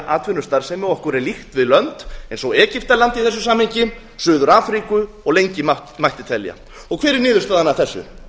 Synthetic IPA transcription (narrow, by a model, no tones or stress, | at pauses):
ʔaːt̪vɪnʏst̪aɾ̥sɛmɛɔhkʏɾɛlixt̪vɪðlœnt̪ɛnsɔwɛːcɪft̪alant̪iθɛs̬ːʏsaːmhejɲcɪm | sʏːðʏɾaːfɾikʏ | ɔɣlejɲcɪmamajht̪ɪt̪ʰɛlja̰ | ɔɣkʰvɛːɾɪɾnɪːðʏst̪aðanaθɛsːʏ̰